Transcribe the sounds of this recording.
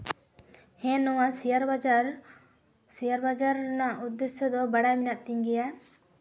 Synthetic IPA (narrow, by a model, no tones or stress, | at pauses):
hɛ̃nɔwasijaɾa | sijaɾbad͡ʒaɾnaʔud̪ːɛsjɔd̪ɔbaɽajminaʔt̪iŋɡɛja